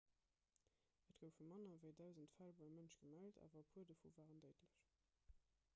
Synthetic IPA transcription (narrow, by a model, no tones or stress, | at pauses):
ətɡ̥əʊfumɑnɐvəɪdæʊzəntfælbɑɪmənʃɡ̥əmæltʰa̰ːvɐpʰuədəfṵvaːʁəndəɪtʰləɕ